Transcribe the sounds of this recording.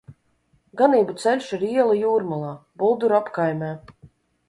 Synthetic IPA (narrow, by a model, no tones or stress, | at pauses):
ɡaniːbut̪sɛlʲʃiɾiɛlˠajuːɾmalˠaːbulˠd̪uɾapkajmʲɛː